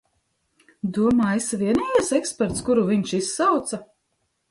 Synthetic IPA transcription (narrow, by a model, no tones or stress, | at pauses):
d̪uɔmaːisviɛnijɛsɛkspɛɾt̪skuɾuviɲʃisːawt̪sa